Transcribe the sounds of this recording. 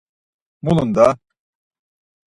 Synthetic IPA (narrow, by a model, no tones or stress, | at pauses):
mulˠund̪a